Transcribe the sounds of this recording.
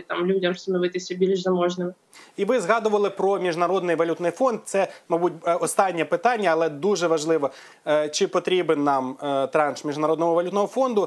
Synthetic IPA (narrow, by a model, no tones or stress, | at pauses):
t̪ɑmlʲudʲɐmst̪ɐnɔʋɪt̪ɪsʲɐbʲilʲʒzɐmɔʒnɪmɪ | iʋɪzɦɑd̪ʊʋɐlˠɪpɾɔmʲiʒnɐɾɔd̪nɪjʋɐlʲut̪nɪjfɔnd̪̚t̪sɛmɐbut̚ʲɔst̪ɑnʲːɐpɪt̪ɑnʲːɐːlˠɛd̪uʒɛʋɐʒlˠɪʋɔ | t͡ʃɪpɔt̪ɾʲibenːɑmt̪ɾɑnʃmʲiʒnɐɾɔd̪nɔɦɔʋɐlʲut̪nɔɦɔfɔnd̪ʊ